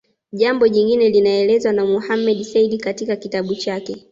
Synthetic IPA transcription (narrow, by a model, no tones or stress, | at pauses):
ʄambɔʄiŋɡinɛlinaɛlɛzwanamuhamɛɗisɛiɗikatikakitaɓut͡ʃakɛ